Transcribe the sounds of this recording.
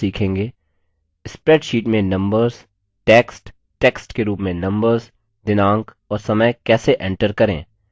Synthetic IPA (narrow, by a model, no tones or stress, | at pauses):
iːkʰẽːŋɡeː | ɪspɾɛːʈʃiːʈmẽnɐ̃mbəɾz̥ | ʈɛːksʈ | ʈɛːksʈkeɾuːpmẽnɐ̃mbəɾz | d̪ɪnãːŋk | ɔːɾsɐməjkɛːseʔɛ̃ːɳʈəɾkɐɾḛ̃ː